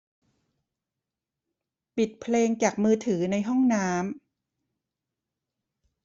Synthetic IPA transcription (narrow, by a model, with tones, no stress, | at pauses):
pi˨˩t̪̚pʰleː˧ŋt͡ɕaː˨˩k̚mɯː˧t̪ʰɯː˩˦na˧jɦɔ˥˩ŋnaː˦˥m